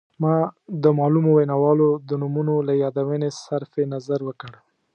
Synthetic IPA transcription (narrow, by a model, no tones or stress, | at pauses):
mɑd̪əmɑlumowenɑwɑlod̪ənumunolajɑd̪awənesaɾfenazaɾwəkəɽ